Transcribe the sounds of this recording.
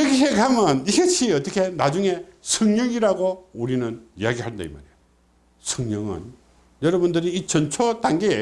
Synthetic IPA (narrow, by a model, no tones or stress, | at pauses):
ʌɡiɦeɡamjʌniɡaɕʰiʌt͈ʌkʰe̞nad͡ʑuŋe̞sʰɯŋɲʌŋiɾaɡouɾinɯnijaɡiɦaɭnda̰ḭma̰ɾejo | sʰɯŋɲʌŋɯ̰n | jʌɾʌbundɯɾiːt͡ɕʌnt͡ɕʰotaŋɡee